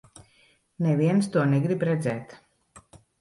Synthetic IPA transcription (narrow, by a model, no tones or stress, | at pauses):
nɛviɛnst̪uɔnɛɡɾibɾɛd̪zɛːt̪